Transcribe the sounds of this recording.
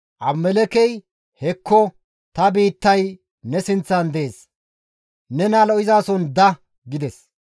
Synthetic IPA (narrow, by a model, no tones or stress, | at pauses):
ʔɐbmɛlɛkɛj | hɛkʰːɔ | t̪ɐbiːt̪ːɐj | nɛsɪnt͡sːɐnd̪ɛeːs | nɛnalɔʔɪzaːsɔnd̪ɐ | ɡɪd̪ɛs